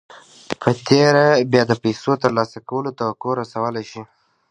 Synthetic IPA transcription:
pʰət̪eɾabjɑd̪əpajsot̪əɾlɑsakawəlot̪awakoɾasawəlajʃi

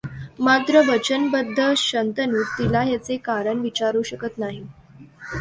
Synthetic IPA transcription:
mat̪ɾəʋət͡ɕənbəd̪ʱːəɕənt̪ənuːt̪ilajat͡sekaɾəɳʋit͡ɕaɾuɕəkət̪naɦi

